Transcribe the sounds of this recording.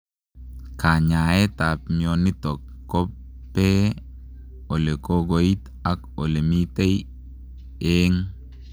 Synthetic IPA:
ka˨ɲa˨e˦ta˨pmo˨ni˦tɔ˨kː | ɔ˦p | pːe˦ | o˨le˨ko˦ɡo˨i˦t | a˦ko˨le˨mi˦te˦j | eŋ

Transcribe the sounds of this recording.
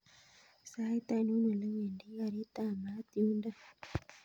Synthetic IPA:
sa˦i˦t̪a˦˨n˦o˦ɲe˨le˦ɲe˨ndi˦a˨ɾi˦ta˦˨ma˦t̪i˦u˦nda˦

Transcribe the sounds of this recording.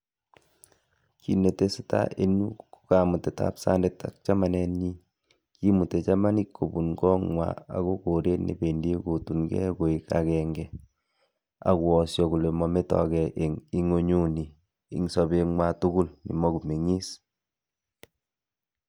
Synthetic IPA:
ki˨ne˨te˦si˦ta̰˦ʔe˦nu˦ku̥ka˨mu˨te˨ta̰˦psa̰˦ndeta̰˨k̚t͡ʃa˦ma˨nɛ˦ɲi˦ | ki˦mu˨te˨t͡ʃa˦ma˦ni˦kʰːo˨bu˨nɡɔ˦ŋwa̰˨a̰˨ko˦ko˨ɾe˦nḛ˨be˨nde˦ko˨tu˨nkɛ̰˦ko˨ika̰˨kɛŋɡɛ˨ | a̰˨kwɔ˨sjɔ˨ku˨le˨mɔ˨me˦tɔ̰˨kɛ˨ʔe˨ŋi˦ŋo˦ɲu˦nḭː˨ | ŋsɔ˨be˨ŋwa˨tu˦ɡu˦lnḭ˨mɔ˦ku˨me˨ŋi˦s

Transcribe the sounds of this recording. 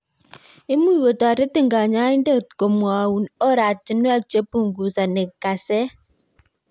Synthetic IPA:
e˦mu˦ɣo˨tɔ˨a˨te˦ti˦ŋ˨ɡa˨ɲa˦e˦n˦de˦kko˨m˨ɔ˨u˨ɔ˦ɾa˨t͡ʃi˨n˦a˦t͡ʃe˦pu˦ŋ˨ɡu˨sa˨ne˨ka˨se˦

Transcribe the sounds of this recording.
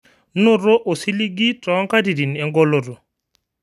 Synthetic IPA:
no˦ɾo˦ʔo˨si˦li˦ɡi˦tɔ˨˦ŋka˦di˨di˨nɛ˨ŋɡɔ˦lo˨ɾo˨

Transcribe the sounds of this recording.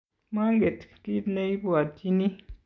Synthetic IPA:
ma˦ŋ˦ɡe˨tki˦tne˦i˦bu˨a˨ti˦ni˦

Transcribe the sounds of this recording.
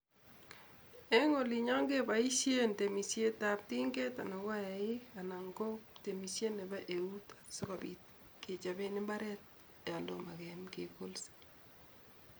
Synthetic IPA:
ɛ˦ŋo˨li˨ɲa˦ŋɡe˦ba˨i˦ʃje˦nte˨mi˨sje˦tap̚ti˦ŋɡe˦ta˨nɔ˨ɡa˦ja˨ɪ˦a˨na˨ŋɡo˦kte˨mi˨sje˦nɛ˨ba˦ʔe˨u˦tḁ˨sɔ˦ka˨bi˨t̚ | kɪ˨t͡ʃa˨be˦nɪ˦mba˦ɾɛ˦t̚ | ɛ˨a˨lo˨ma˨ɡɛmke˨ko˦lsi̥

